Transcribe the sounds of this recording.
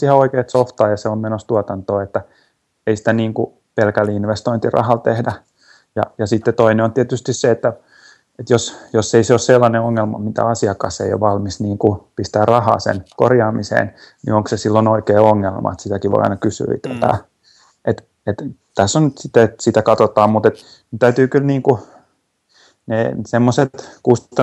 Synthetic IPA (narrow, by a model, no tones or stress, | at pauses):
siheoikeːt̪soft̪ɑːjɑseommenost̪uɑt̪ɑnt̪oːet̪ːæ | eisi̥t̪æniːŋku | pelkælːiinʋest̪oint̪irɑ̰hɑlt̪ehdæ | jɑ̰jɑsit̪ːet̪oineont̪iɛæt̪yst̪isseet̪ːæ | et̪josjosːeiseosselːɑneoŋːelmɑ̰mit̪æ̰ɑsiɑkɑsḛio̰ʋʋɑlmisniːŋkupist̪æːrrɑhɑ̰ːsḛnko̰rjɑːmisḛːn | nḭoŋksesilːonoikeːoŋːelmɑ̰et̪sit̪ækiʋo̰ḭɑ̰inɑkysy̰ḭt̪et̪æ̰ː | et̪ | et̪t̪æsːonnyt̪sit̪ːet̪sit̪ækɑt̪ot̪ɑːmmut̪et̪ | t̪æyt̪yːkylniːŋku | neːsemːoset̪kustt̪ɑ